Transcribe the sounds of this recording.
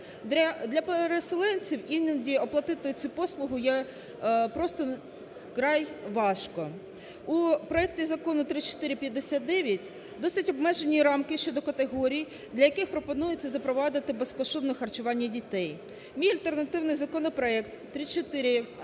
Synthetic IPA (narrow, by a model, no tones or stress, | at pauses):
d̪ɐd̪lʲɐpeɾeselˠɛnʲt͡sʲiwinʲɐdʲiɔplˠɐt̪ɪt̪ɪt͡sʲupɔslˠʊɦʊjɛ | pɾɔst̪ɔ | kɾɑjʋɑʃkɔ | upɾɔɛktʲizɐkɔnʊt̪ɾɪt͡ʃɔ̥t̪ɪɾʲɪpʲjɐd̪ːesʲat̪̚d̪ɛʋʲjɐtʲ | d̪ɔsʲɪtʲɔbmɛʒenʲiɾɑmkɪʃt͡ʃɔd̪ɔkɐt̪eɦɔɾʲij | d̪lʲɐjɐkɪxpɾɔpɔnujʊt͡sʲːɐzɐpɾɔʋɑd̪ɪt̪ɪbeskɔʃt̪ɔd̪nɔxɐrt͡ʃʊʋɑnʲːɐdʲit̪ɛj | mʲijɐlʲt̪ernɐt̪ɪwnɪjzɐkɔnɔpɾɔɛkt̪ːɾɪt͡ʃɔt̪ɪɾʲɪ